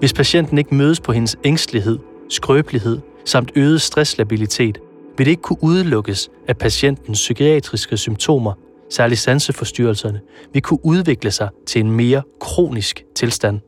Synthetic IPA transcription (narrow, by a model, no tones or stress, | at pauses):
ʋe̝spʰæɕen̰d̥n̩e̝ɡ̥əmøːðˠəspʰɒ̽ɦe̝nəseŋsd̥liɦe̝ð̰ˠ | sɡ̥ʁœːb̥liɦe̝ð̞̰ˠ | sɑ̈m̰d̥øːð̞ˠəsd̥ʁɛslæb̥ilit͡sʰe̝̰ːd̥ | ʋe̝ldɾee̝ɡ̥ə̥kʰuʔuð̞ˠlɔ̽ɡ̥əs | æpʰæsen̰d̥n̩sːykʰiɛ̰ːd̥ʁisɡ̥əsymt͡sʰo̝̰ːmɐ | sæɐlisænsəfɒ̽sd̥yɐlsɐnəʋe̝kʰuʔuð̞ˠʋe̝ɡ̥ləsɑ̈ɪt͡sʰe̝le̝nme̝ːɐkʰʁo̝̰ːnisɡ̥t͡sʰe̝lsd̥æn̰